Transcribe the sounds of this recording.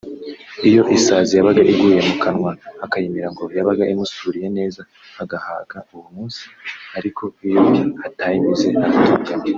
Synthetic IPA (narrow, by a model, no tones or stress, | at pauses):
ijo̞ʔisaːzijaβaɡaʔiɡuːje̞mukʰanŋwaːkajimiɾaŋɡo̞jaβaɡaʔimusuːɾije̞ne̞ːza | aɡaha̰ːɡauwumuːnsi̥aɾikʰo̞ijojiatajimize̞aatubɡame